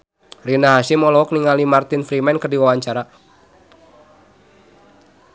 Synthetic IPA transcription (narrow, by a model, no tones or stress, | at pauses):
rinaɦasimɔlɔɔk̚niŋalimart̪ɪnfɾimɛnkərdiwawaɲt͡ʃaɾa